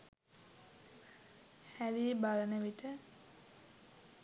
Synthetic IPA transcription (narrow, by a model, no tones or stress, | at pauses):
hælibalənəʋiʈə